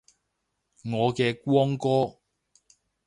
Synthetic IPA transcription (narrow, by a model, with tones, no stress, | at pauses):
ŋɔː˨˧kɛː˧kʷwɔː˥ŋkɔː˥